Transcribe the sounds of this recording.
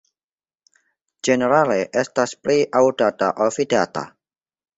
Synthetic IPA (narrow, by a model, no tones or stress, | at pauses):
d͡ʒeneɾaleʔestaspliʔawdata̰ʔolfidata̰